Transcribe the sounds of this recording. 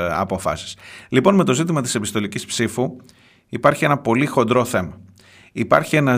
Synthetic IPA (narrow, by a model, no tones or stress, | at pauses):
ɐ̰pofɐ̰si̥slipo̞nme̞t̪o̞zit̪imɐt̪ise̞pist̪o̞licispsifu | ipɐɾçie̞nɐpo̞lixo̞nd̪ɾo̞θe̞mɐ | ipɐ̰ɾçie̞nɐ